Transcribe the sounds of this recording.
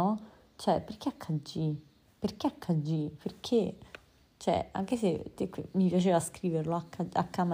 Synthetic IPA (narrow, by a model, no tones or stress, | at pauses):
ɔ | t͡ʃɛperkːeakʰːad͡ʒi | perk̟eakʰːad͡ʒːiperkʰe | t͡ʃɛ̰a̰ŋkeset̪ːekːmipjat͡ʃeːvaskɾiːverloakːaa̰kːam